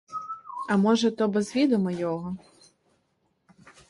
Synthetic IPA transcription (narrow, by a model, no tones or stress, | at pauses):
ɐmɔʐɐt̪ɔbɛzvʲid̪ɔmɐjɔɣɔ